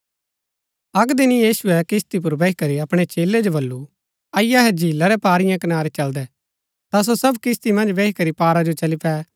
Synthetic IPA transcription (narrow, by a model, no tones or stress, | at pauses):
ɐkd̪ɪnijiːsʊɛkɪst̪ip̬ʊɾbeːikɐɾiɐpɽ̃et͡ʃeːlːed͡ʒobɐlːu | ɐɪjaɦɛd͡ʒiːlaɾɛpaːɾɪjãkɐnaːɾet͡ʃɐld̪ɛ | t̪as̬osɐbkɪst̪imɐ̃nd͡ʒbeikɐɾipaːɾad͡ʒot͡ʃɐlipɛː